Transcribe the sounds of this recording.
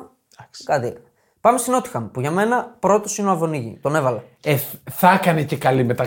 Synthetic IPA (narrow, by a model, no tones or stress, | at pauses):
kɐt̪iek | pɐmest̪ino̞t̪i̥xɐmpuʝɐme̞nɐpɾo̞t̪o̞sineoɐvo̞niʝḭt̪o̞ne̞vɐlɐeθɐkɐnece̞kɐlime̞t̪ɐ